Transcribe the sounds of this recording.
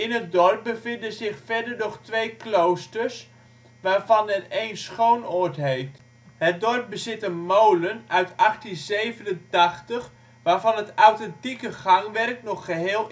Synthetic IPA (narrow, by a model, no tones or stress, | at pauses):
ɪnɦət̚dɔrp̚bəfɪndəzɪxfɛrdərnɔχtʋejklowstəs | ʋaːrfɑnəɛtejnsχownotɦejft | hət̚dɔrp̚bəzɪtənmowlənœɥtaxtinzeːvənəntaxtəx | ʋaːrvɑnɦətawtɛntikəχaŋʋɛrknɔχːəɦeɪːlˠ